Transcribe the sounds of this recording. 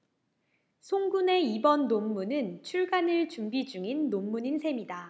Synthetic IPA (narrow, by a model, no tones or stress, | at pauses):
sʰoŋɡune̞ibʌnːomːunɯnt͡ɕʰuɭɡanɯɭt͡ɕumbid͡ʑuŋinːomːuɲinsʰe̞mida